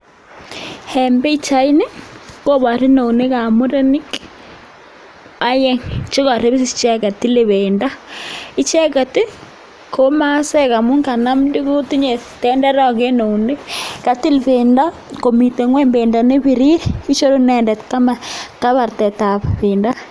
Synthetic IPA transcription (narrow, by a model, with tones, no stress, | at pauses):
hɛ˨mbe˦i˦t͡ʃa˦i˦ne˦ko˦βa˨ɾi˦no˨wne˦ka˨mu˦ɾe˦ni˦k | a˦jɛ˦ŋt͡ʃo˦ka˨ɾe˦βi˦si˦st͡ʃɛ˦ka˨ti˦le˨βe˨nda˦i˦t͡ʃɛ˦ka˨tɪ˦ | kʰo˦ma˦sɛ˦ka˨mu˦ŋka˨na˦mdi˦ku˦ti˦ɲe˨tɛ˦ndɛ˦ɾɔ˦ke˦no˨wne˦ka˨ti˦lpe˨nda˦ | ko˨mi˨te˨ŋwɛ˦mbe˨nda˨ne˦βi˨ɾi˦ɾi˦t͡ʃo˦ɾo˦nɛ˨ndɛ˨tka˦ma˨ka˦βa˨ɾtɛ˨ta˨ppɪ˨nda˦